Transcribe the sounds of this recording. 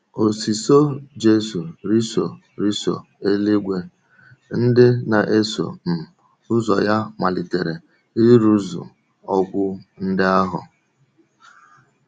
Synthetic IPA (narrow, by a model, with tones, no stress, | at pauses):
o˨si˨so˦d͡ʒe˦so˨ɾi˦so̰˨ | ɾi˦so̰˨ | e˦li˦ɡʷe˦ | n̩˦dɪ˦na˨ʔe˦so̰˨m̩˨ | ʊ˦zɔ˨ja˦ma˨lɪ˨te˨ɾe˨ | i˦ɾu˦zṵ˨ | ɔ˦ɡʷʊ˦n̩˦dɪ˦a˦ɦʊ̰˨